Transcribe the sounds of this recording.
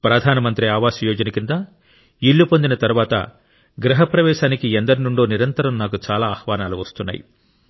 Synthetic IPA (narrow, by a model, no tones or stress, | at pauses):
pɾɐd̪ʱaːnɐmɐnt̪ɾiaːʋaːsujɔːd͡ʒɐnɐkind̪aː | iɭːupo̞nd̪inɐt̪ɐɾuʋaːt̪ɐ̰ | ɡɾɐɦɐpɾɐʋɛːʃaːnikiend̪ɐɾinuɳɖo̞ːniɾɐnt̪ɐɾɐmnaːkut͡ʃaːlaːhʋaːnaːluʋɐst̪unːa̰ːjḭ